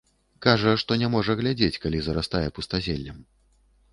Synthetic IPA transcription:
kaʐɐʂt̪ɔnʲɛmɔʐɐɣlʲad͡zʲet͡sʲkalʲizɐɾast̪ajɛpust̪azʲelʲːɐm

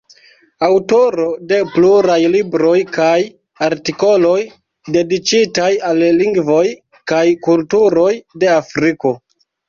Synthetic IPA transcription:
awto̞ɾo̞de̞pluɾajlibɾo̞jkaj | aɾtiko̞lo̞j | de̞dit͡ʃitajalːiŋɡvo̞j | kajkultuɾo̞jde̞afɾiko̞

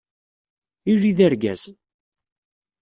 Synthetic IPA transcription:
iriðæɾɡæz

